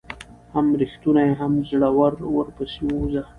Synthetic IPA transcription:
hamɾixt̪unajeɦamzɽawaɾwəɾpəsiwoza

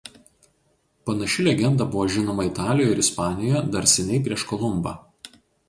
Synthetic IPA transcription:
pɐnɐʃʲɪlʲɛɡʲɛnd̪ɐbʊʋoːʒʲɪnoːmɐɪt̪ɑːlʲɪjojɛɪɾɪspɑːnʲɪjɛd̪ɐɾʲsʲɛnʲɛɪpʲɾʲiɛʃkɔlˠʊmbɑ̰ː

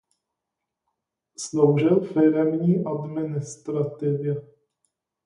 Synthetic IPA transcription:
slowʒɪlfɪɾɛmɲiːʔad̪mɪnɪst̪ɾat̪ɪvjɛ

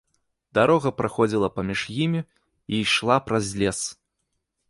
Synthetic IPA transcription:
d̪aɾɔɣɐpɾaxɔd͡zʲilˠɐpamʲiʂjimʲi | ijʂlˠapɾazʲlʲɛs

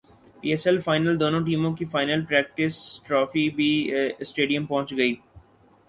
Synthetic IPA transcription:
piːɛsɛlfaːɪnəld̪oːnõʈ̬iːmõkifaːɪnəlpɾɛːk̚ʈɪsʈɾɔːfibiːsʈeːɖijə̃mpɔ̃ɦt͡ʃɡɐiː

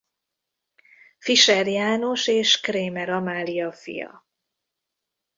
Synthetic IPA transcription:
fiʃɛrjaːno̞ʃeːʃkreːmɛɾɒmaːlijɒfḭjɒ̰

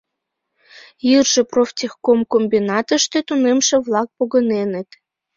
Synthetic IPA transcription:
jirʒĕproft̪ʲixkomkombinɑt̪ə̆ʃt̪et̪unemʃĕβlˠɑk̚poɣɤ̆nenĕt̪

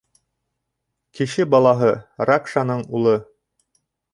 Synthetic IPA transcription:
kɘ̆ʃɘbɑlˠɑɦɤɾakʃanɤɴulˠɤ

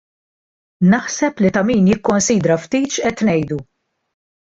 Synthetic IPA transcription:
nɐħsɛplit̪ɐmiːnjɪkːɔnsiːd̪ɾɐft̪iːt͡ʃʔɛt̪nɛjd̪u

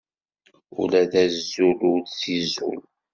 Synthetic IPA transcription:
ṵlæðæzuludθizṵl

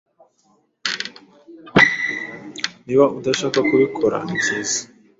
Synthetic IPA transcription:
niβaʔudaʃaːkakuβikʰoɾa̰izizi̥

